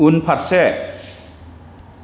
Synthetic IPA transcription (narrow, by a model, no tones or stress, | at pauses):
unpʰat̚sɛ